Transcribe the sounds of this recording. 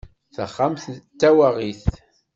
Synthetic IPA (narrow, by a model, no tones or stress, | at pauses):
θə̰χːamθt̪ːæwaʁiθ